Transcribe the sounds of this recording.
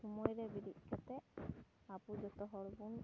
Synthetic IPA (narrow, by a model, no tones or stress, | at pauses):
umɔjɾɛbidiʔ̪̚ˀkat̪ɛʔ | apud͡ʒɔt̪ɔɦɔɽbun